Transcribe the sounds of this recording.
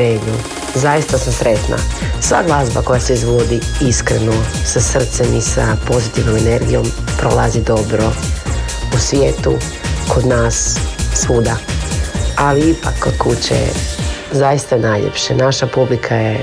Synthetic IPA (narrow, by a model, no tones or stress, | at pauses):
eːmu | zajist̪asamsɾe̞t̪na̰sʋa̰ɡlazbako̞jaseizbod̪iiskɾenosasr̩t̪semisapo̞zit̪iʋno̞meneɾɡijo̞̰mpɾolˠazid̪o̞bɾo̞ | usʋjeːt̪u | kʰo̞d̪naːsːuːd̪a | aliipakːod̪̥kut͡ɕḛzaist̪aenajʎḛpʃenaʃapublikʰaje